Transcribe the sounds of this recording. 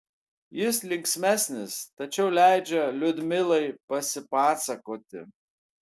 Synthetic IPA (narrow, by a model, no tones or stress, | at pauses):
jɪslʲɪŋʲksʲmʲæsʲnʲɪst̪ɐt͡ʃʲɛʊlʲæˑɪd͡ʒʲɛlʲʊd̪ʲmʲɪlˠɐɪpɐsʲɪpɑːsɐkoːt̪ʲɪ̰